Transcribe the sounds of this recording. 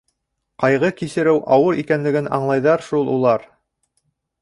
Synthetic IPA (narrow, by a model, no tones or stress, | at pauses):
qɑjʁɤkisɘ̆ɾɘwʔɑwɤɾikænlɘ̆ɡɘnɑ̰ɴlˠɑjðɑɾʃulˠulˠɑɾ